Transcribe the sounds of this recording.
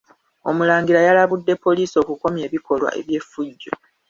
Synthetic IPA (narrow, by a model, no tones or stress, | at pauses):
o̞mulaːŋɡilajalaβudːe̞pːo̞liːso̞ːkuko̞mje̞ːβiko̞lwa̰ʔe̞̰βje̞fːuɟːo